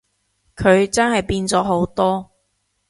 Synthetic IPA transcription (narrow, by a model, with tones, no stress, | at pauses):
kʰɵ˨˧ɥt͡sɐ˥nhɐ˨jpiː˧nt͡sɔː˨˥ɦo˨˥wt̪ɔː˥